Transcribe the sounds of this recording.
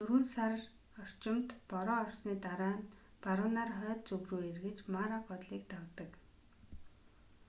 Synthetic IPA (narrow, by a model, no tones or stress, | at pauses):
t̪ɵɾŭnsar | ɔr̥t͡ɕɪ̆mt̪pɔɾɔːɔrsniːt̪aɾaːn | paɾə̆naːrχœːt̪̚t͡sɵɣruːerɣɘ̆t͡ɕmaɾaɡɔt̪ɮiːk̚t̪ɔkt̪ə̆k